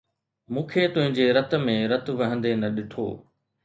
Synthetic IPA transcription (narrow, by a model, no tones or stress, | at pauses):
mũːkʰet̪ʊɦɪ̃ɲd͡ʑeɾɐt̪̆mẽɾɐt̪̆ʋɐɦə̃nd̪enɐɗɪʈʰo̰ː